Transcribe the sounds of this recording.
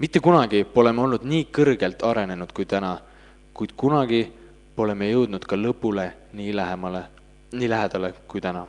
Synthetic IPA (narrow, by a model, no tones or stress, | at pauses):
mit̪ːˑekunɑɡ̥io̞le̞meo̞lnud̪̥niːkɤrɡ̥e̞lt̪ːˑɑɾe̞ne̞nud̪̥̚kujt̪ænɑ | kujd̪̥̚kunɑɡ̥i | o̞le̞mejɤwd̪̥nud̪̥kɑlɤpːˑule | niːlæhemɑle | niːlæɦed̪̥ɑlekujt̪ænɑ